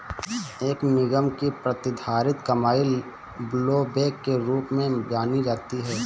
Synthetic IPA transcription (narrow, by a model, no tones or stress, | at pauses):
eːknɪɡəmkipɾɐt̪ɪd̪ʱaːɾɪt̪kɐmaːi | bloːbeːkːeɾuːpmẽd͡ʒaːnid͡ʒaːt̪iɦɛː